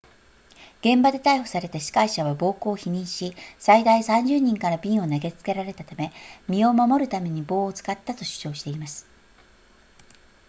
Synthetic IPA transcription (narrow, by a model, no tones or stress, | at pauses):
ɡ̥ẽ̞mbad̪e̞t̪aiho̥saɾe̞t̪aɕi̥kaiɕaβ̞abo̞ːko̞ːçiɲ̟ĩɰ̃ɕisaid̪aisãɲ̟d͡ʑɨːɲ̟ĩŋkaɾabʲĩɰ̃o̞naɡe̞t͡sɨ̥ke̞ɾaɾe̞t̪at̪ame̞mʲio̞mamo̞ɾɯ̟t̪ame̞ɲ̟ibo̞ːt͡sɨ̥kat̪ːat̪o̞ɕɨ̥t͡ɕo̞ːɕi̥t̪e̞imasɨ̥